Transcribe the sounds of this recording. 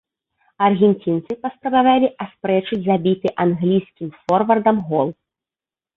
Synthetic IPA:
ɐrɣʲɛnʲt͡sʲint̪sɨpɐspɾɐbavalʲiʔaspɾɛt͡ʂɨd͡zʲzabʲit̪ɨʔanɣlʲijskʲimfɔrvɐrd̪ɐmɣɔlˠ

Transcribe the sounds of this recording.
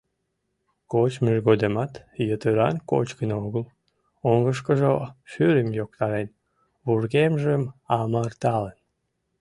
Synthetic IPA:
kot͡ɕmyʒɣod̪emɑt̪jət̪øɾɑ̰nko̰t͡ɕɡənoɣəl | oŋɡəʃ̬kəʒoʃyɾəmjok̚t̪ɑɾen | βurɣemʒəmɑmɑrt̪ɑlən

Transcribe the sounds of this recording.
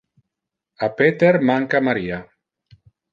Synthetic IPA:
apet̪eɾmaŋkamaɾiːa

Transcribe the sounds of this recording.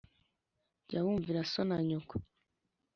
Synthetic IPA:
ɟawuːɱviɾasonaɲoko̥

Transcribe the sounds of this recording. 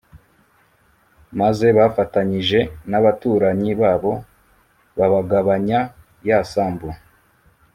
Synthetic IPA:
maze̞βafataɲiʒe̞naβatuːɾaɲiβaːβo̞ | βaβaɡaβaɲa | jasaːmbu

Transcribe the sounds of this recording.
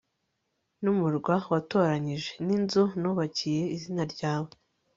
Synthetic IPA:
numuɾɡwawato̞ɾaɲiʒe̞ninzunuːβacije̞izinaɾɟaːwe

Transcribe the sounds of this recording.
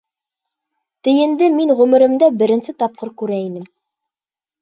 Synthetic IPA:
t̪ɘ̆jɘ̆nd̪ɘmiŋʁɵmɘ̆ɾɘ̆md̪æbɘ̆ɾɘ̆nsɘt̪ɑp̚qɤɾkʉɾæinɘm

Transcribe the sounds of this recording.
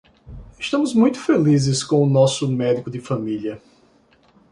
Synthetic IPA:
ɪʃt̪ɐ̃mʊzmũj̃t̪ʊ̥felizɪskõʊnɔsʊmɛd̪ikʊd̪ɪfamiliɐ

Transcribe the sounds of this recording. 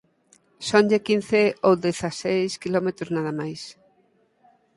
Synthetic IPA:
sõnʎekin̟θeowðeθasejskilɔmet̪ɾoznaðamajs

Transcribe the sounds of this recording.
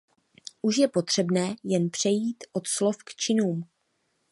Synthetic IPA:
ʔuʃjɛpo̞t̪r̝̥ɛbnɛːjɛnpr̝̥ɛjiːt̪ʔo̞t̪slo̞fkt͡ʃɪnuːm

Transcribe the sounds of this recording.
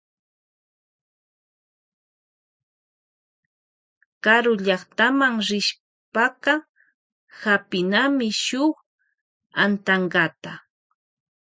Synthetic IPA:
kaɾʊʎɑχt̪amaŋɾɪʃ | pɑqɑ | hapɪnamɪʃʊχ | ant̪aɴɢɑt̪a

